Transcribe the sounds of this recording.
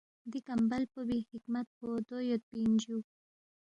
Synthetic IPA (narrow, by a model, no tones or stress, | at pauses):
d̪ikambalpəbihɪkmat̪̚bod̪ojot̪̚pind͡ʒu